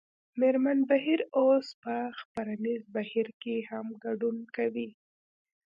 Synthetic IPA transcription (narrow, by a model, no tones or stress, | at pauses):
meɾmanbaɦiɾospəxpaɾanizbahiɾkehamɡaɖunkawi